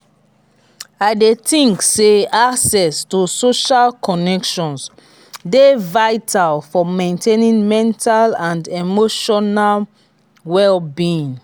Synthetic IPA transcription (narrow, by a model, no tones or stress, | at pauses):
aɪdetĩŋkseaksɛstusoʃalkʰɔnɛkʃɔ̃ns | devaɪtʰalfɔmẽntʰenĩnmɛ̃ntʰalãndemoʃɔnal | wɛlbĩn